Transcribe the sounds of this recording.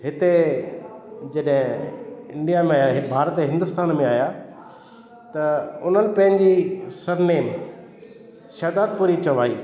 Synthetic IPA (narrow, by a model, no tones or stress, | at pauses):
ɦɪt̪e | d͡ʑɐɗɦɪ̃ɪ̃ɳɖijamẽbʱaːɾət̪eɦɪ̃nd̪ʊst̪aːnmẽaːja | t̪ɐʊn̤ənɪ̆pɐ̃ɦɪ̃ɲd͡ʑisɐɾneːm | ʃɐːd̪aːd̪̚puːɾit͡ɕɐʋaːḭː